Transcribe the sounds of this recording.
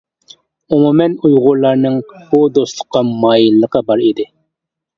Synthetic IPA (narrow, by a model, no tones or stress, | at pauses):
umumɛnujʁʊɾlˠɑɾnɨŋbud̪ost̪lˠʊqːɑmɑːjilːəqɑbɑɾid̪ɪ